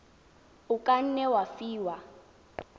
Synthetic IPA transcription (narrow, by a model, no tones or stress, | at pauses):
ʊkʼan̩nɛwafiːwa